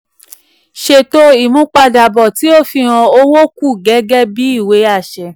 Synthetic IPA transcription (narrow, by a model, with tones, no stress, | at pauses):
ʃe˧to˦i˨mũ˦k͡pa˧da˨bɔ˨ti˨˦o˦fi˧˨ɾ̃ã˧o˦wo˦ku˦˨ɡɛ˨˦ɡɛ˦bi˨˦i˦˨we˨˦a˦˨ʃɛ˧˨